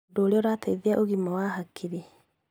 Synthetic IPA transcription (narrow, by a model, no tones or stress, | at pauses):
doːɾeɔɾateiðiaʔoɣimɔwaɦakʰiɾe